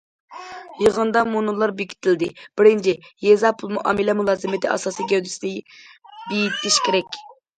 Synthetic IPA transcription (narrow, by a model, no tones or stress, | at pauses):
jəʁənd̪ɑmunɨlˠɑɾbɪkʲʰi̥t̪ʰɪld̪ɪb̥ɪɾɪnt͡ʃʰɪjɛzɑpʰulˠmuʔɑ̰ːmɪlɛmulˠɑːzɪmɪt̪ʰɪʔɑ̰sɑːsijɡʲd̪ɪsd̪ɪ | bijit̪ʰɪʃkʲeɾɛkʲ